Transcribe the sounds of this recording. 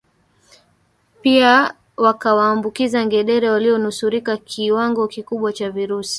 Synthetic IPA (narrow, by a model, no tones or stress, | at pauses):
pia | wakawaːmbukizaŋɡɛɗɛɾɛwaliɔnusuɾikakʰiwaŋɡɔkikuɓwat͡ʃaviɾusi̥